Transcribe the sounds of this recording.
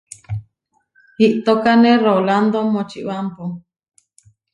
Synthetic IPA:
hiʔt̪okanẽroland̪omõt͡ʃḭʔβampo

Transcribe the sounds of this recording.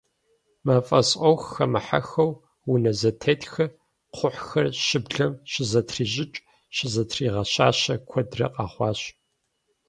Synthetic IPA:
maːfʼɐsʼʔɔwxxɐmɨħa̰xɐw | wʊnɐzɐtʰɐtʰxɐ | qʰʷʊħxɐrʃɪbɮɐmɕɪzɐtʰriːʑɪt͡ʃʼ | ɕɪzɐtʰriːʁɐɕaːɕɐkʷʰɔdrɐ̰qʼɑːχʷɑːɕ

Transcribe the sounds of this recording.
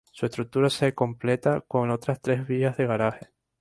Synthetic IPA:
sue̞st̪ɾuk̚t̪uɾaseko̞mple̞t̪ako̞no̞t̪ɾast̪ɾe̞zβiazðe̞ɣ̞aɾaxe

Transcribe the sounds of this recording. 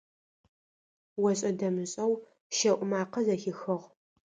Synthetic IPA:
wɐɕʼɐdɐmɨɕʼɐw | ʃɐʔʷʼʊmaːqɐzɐxɪxɨʁ

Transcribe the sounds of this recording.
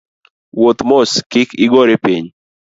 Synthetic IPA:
wot̪moskɪkɪɡoɾepiɲ

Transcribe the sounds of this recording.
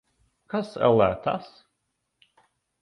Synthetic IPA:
kasɛ̰lˠæt̪a̰s

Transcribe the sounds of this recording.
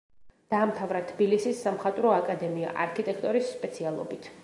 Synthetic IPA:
d̪̥aːmt̪ʰavɾat̪ʰbilisisːamχat̪ʼɾɔakʼad̪ɛmia̰ʔaɾkʰit̪ʼɛkʰt̪ʼɔɾisːpʼɛt̪sʰialˠɔ̰bit̪ʰ

